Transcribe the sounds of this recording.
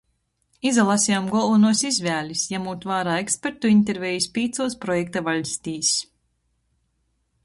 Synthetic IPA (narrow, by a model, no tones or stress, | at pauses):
izalˠasʲjamɡɔlˠunuɔsizʲvʲæːlʲisjamuːt̪vaːɾaːekspʲeɾt̪uint̪eɾvʲɛjispʲiːt̪suɔspɾɔjɛk̚t̪avalʲsʲt̪iːs